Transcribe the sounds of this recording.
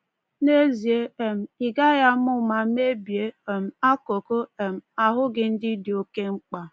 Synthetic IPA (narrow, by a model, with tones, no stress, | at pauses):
ne˦zi˨e˦e˨m̩˨ɪ˨ɡa˦ja˦m̩˦ʊ˦ma˨˦m˦e˦bi˨e˦˨m̩˨a˦ko˨ko˦e˨m̩˨a˨ɦʊ˦ɡɪ˨n̩˦dɪ˦dɪ˨o˦ke˦ŋ͡m̩˦k͡pa˨